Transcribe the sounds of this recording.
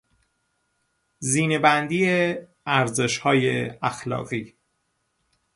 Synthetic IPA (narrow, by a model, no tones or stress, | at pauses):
ziːnebænd̪iːe | æɾze̞ʃhɒːjeæxlɒ̰ːɣiː